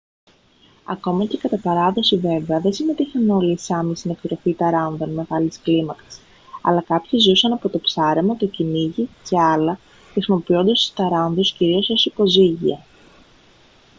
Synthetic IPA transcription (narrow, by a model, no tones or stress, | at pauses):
ɐ̰ko̞mɐce̞kɐt̪ɐpɐɾɐðo̞sive̞ve̞ɐðe̞sime̞t̪ixɐno̞lisɐmisinekt̪ɾo̞fit̪ɐɾɐnðonme̞ɣɐlisklimɐkɐ̥s | ɐ̰lɐkɐpçizːusɐnɐpo̞t̪o̞psɐɾe̞mɐt̪ociniʝice̞ɐlɐ | xɾisimo̞pio̞nd̪ɐst̪u̥st̪ɐɾɐnðosciɾio̞so̞sipo̞ziʝiɐ